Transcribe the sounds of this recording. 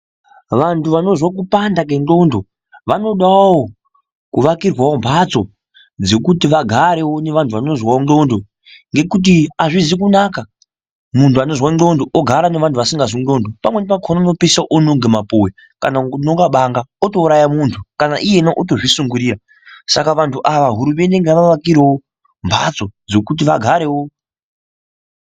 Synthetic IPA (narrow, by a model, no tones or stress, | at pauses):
ʋantʰuʋano̞zwak̬upandak̬enɡo̞ndo̞ | ʋano̞ɗawo | kuʋakirwawo̞mpʰat͡so̞ | d͡ze̞kutiʋaɡʱaɾe̞wo̞ne̞ʋantʰuʋano̞zwaoo̞ndo | ŋɡe̞kut̬iaʐizik̬unaka | muntʰuano̞zwao̞ndo̞ʔoɡʱaɾane̞ʋantʰuʋasiŋɡaziondopamwe̞nepakʰonanopisaʔonuŋɡemapuwe | kanaunoɡaɓaŋɡaoto̞uɾajamuntʰukanaʔije̞naʔot̬o̞ʐisuŋɡuɾiːɾa | sakaʋantʰuʔaʋaɦuɾume̞ndeŋɡeʋaʋakiɾewo | mbʱa̰t͡so̞d͡zo̞kut̬iʋaɡʱaɾe̞wo